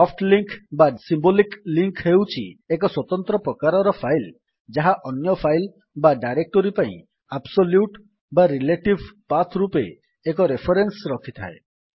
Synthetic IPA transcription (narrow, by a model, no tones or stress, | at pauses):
ɔfpʰʈliŋkbasimbolikliŋkɦewt͡ʃʰḭekɔswɔt̪ɔnt̪ɾɔpɾɔkaɾɔɾɔpʰajl | d͡ʒaɦaʔɔnjɔpʰajl | baɖajɾek̚ʈɔɾipaḭ̃ | absoljuʈ | baɾileʈibʱpat̪ʰɾupeː | k̬ɔɾepʰɔɾensɾɔkʰit̪ʰa̰ḛ